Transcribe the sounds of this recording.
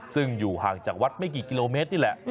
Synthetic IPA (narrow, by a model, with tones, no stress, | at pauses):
sɯ˥˩ŋjuː˨˩haː˨˩ŋt͡ɕaː˨˩k̚wa˦˥t̪̚ma˥˩jk̬iː˨˩ki˧loː˧meː˦˥t̪̚niː˥˩lɛ˧˩ʔ